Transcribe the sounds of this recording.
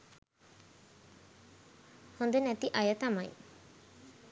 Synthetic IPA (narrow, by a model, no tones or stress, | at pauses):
hɔnd̪enɛt̪iʔajat̪amaj